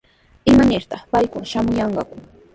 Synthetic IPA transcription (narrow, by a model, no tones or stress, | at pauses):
ɪmanɪɾt̪ɑχpajkʊnʃamʊjɑɴɢɑkʊ